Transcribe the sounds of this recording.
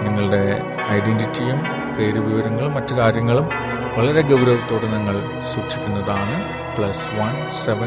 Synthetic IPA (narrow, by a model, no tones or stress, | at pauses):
niŋːɐɭɨɽe̞ | ɐjɖenditːijum | pe̞ːɾuʋiʋɐɾɐŋːɐɭumːɐtːɨkaːɾjɐŋːɐɭum | ʋɐɭɐɾe̞ɡɐwɾɐʋɐt̪ːo̞ːɽeniŋːɐɭ | suːkʂikʲːunːɐðaːɳɨ | pɭɐsʋɐn | seʋɐ